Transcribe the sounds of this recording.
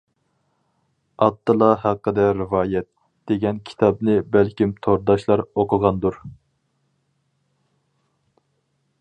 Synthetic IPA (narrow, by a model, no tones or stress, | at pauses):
ɑt̪ːɨlˠɑhæqːəd̪ɛɾɨvɑːjɛt̪ | d̪̥eɡʲɛnkʲʰi̥t̪ʰɑbnɨbælkʲimt̪ʰoɾd̪ɑʃlˠɑɾoqʰʊʁɑnd̪uɾ